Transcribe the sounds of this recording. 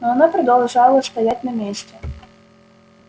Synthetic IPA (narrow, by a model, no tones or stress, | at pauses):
nɔɐnapɾɐd̪ɐlˠʐɑlˠɐst̪ɐjatʲnɐmʲesʲt͡sʲɛ